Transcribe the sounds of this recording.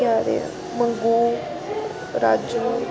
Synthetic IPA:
aːɾḛ | məŋɡuː | ɾaːd͡ʒnu

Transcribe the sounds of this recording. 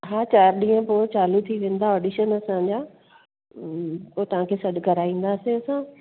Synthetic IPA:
ɦãːt͡ɕaːɾɗĩːə̃poːt͡ɕaːlut̪ʰiʋẽːn̆d̪aɔːɖiːʃənɐsãd͡ʑaː | poːt̪ɐʋ̤ãkʰeːsɐɗɡʱɐɾaːĩːn̆d̪aːsẽɐsã

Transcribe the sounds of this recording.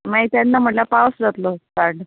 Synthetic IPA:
maɦit̪janːam̤əʈlapawsd͡zat̪losaɾɖ

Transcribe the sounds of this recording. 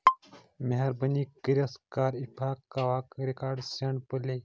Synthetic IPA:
meɦɐɾbɐniːkiɾɐskaːɾipʰaːkːaːwaːkɾikaːɾɖsɐɳɖpəleː

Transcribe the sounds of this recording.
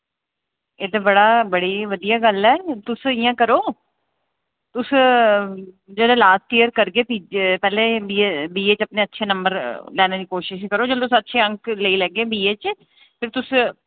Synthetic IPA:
eːt̪eːbəɽaːbəɽiːʋəd̪ijaːɡəlɛːt̪ʊsɪjãːkəɾoː | t̪ʊs | d͡ʒəːd̪ẽːlaːsʈiːəɾkəɾkeːpiːpɛːleːbiːebiːeːt͡ʃəpneːətːʃʰeːnəmbəɾlɛːneːd̪iːkoːʃɪʃkəɾoːd͡ʒəlt̪ʊsətːʃʰeːə̃ŋkləiːlɛːɡeːbiːeːt͡ʃ | pʰɪɾt̪ʊs

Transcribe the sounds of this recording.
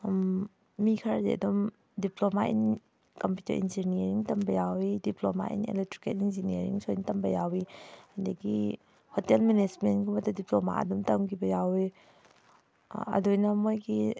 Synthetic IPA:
mː | ikʰaɾadḛa̰dɔm | diplomaʔḭn | kɔmputɐ̰ɾḭnziniɾiŋtambɐjawidiploma̰ʔḭnḛlɛk̚tɾiketinzinieɾḭŋsʰɔintambajawihandaɡi | hotelmenesmenkumatadiploma̰ɐ̰dɔmtamkibɐjawi | ɐ̰dɔjnamojɡi

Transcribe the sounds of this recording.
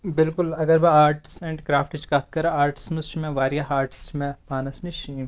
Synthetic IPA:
bɪlkʊlɐɡɐɾmẽaːɾʈsɛ̃ɳɖkɾaːfʈɪt͡ʃkɐt̪ʰkɐɾaaːɾʈɪ̥sməst͡ʃimẽʋaːɾjaɦaːɾʈst͡ʃimẽmaːnɐsniʃiːm

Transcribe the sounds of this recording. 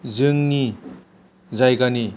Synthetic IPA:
d͡zɯŋni | d͡zajɡani

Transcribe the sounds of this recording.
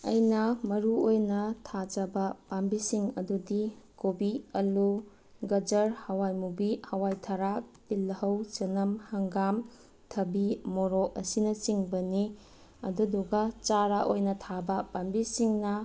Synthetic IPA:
ɐ̰jnɐmɐɾuojnɐtʰad͡ʒɐbɐpambisiŋɐdudikobiɐlu | ɡɐd͡ʒɐɾhɐwajmubihɐwajtʰɐɾatilːɐhɐwt͡ʃɐnɐmhɐŋɡam | tʰɐbimoɾɔɐsinɐt͡ʃiŋbɐni | ɐ̰duduɡɐt͡ʃaɾaʔojnɐtʰabɐpambisiŋnɐ

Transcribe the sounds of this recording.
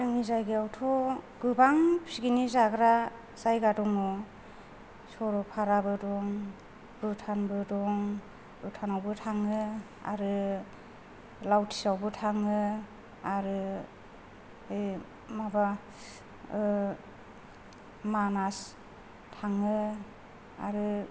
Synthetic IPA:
ɯŋizajɡiawtʰɔɡ̥ɯbaŋpsiɡinizaɡɾa | z̥ajɡadɔŋnɔ | sɔɾɔpʰaɾabɯdɔŋ | b̥utʰanbɯdɔŋ | utʰanawbɯtʰaŋɯ | a̰ɾɯ | lawtʰi̥sawbɯtʰaŋɯ | aɾɯ | ɯj | maba | manas | tʰaŋɯ | a̰ɾɯ

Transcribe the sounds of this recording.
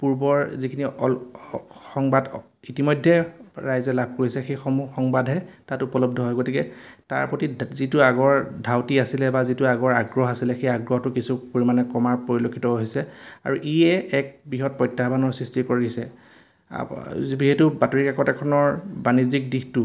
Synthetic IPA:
puɹbɔɹzikʰiniɔ | xɔŋbad | itimɔjdʱːɛɹajzɛlab̚ʱkoɹisɛxejxɔmuxɔŋbadʱɦɛtatupɔlɔbdʱɔɦɔjɡotikɛta̰ɹpɹotizituaɡɔɹdʱawtiasilɛbazituaɡɔɹaɡɹɔɦasilɛxejaɡɹɔhɔtukisupoɹimanɛkɔmaɹpoɹilokʰːitɔoɦisɛa̰ɹuʔijɛɛk̚bɹiɦɔt̚pɔjtːaɦbanɔɹsɹistikoɹisɛ̰ | biɦetubatoɹikɛkɔtɛkʰɔnɔɹbanizik̚dixtu

